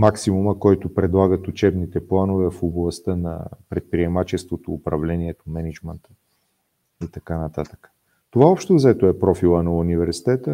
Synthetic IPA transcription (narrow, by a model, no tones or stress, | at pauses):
maksimuməkɔjt̪opɾɛd̪lˠaɡət̪ut͡ʃɛbnit̪ɛplˠanovɛfoblˠɐst̪ənɐ̰pɾɛt̪̚pɾiɛmat͡ʃɛst̪vot̪oːpɾɐvlɛniɛt̪omɛnɛd͡ʒmɛnt̪ə | it̪ɐkanɐt̪at̪ə̥kə̥ | t̪ovaɔpʃt̪ozɛt̪oɛpɾɔfilˠənɐunivɛɾsi̥t̪ɛt̪ə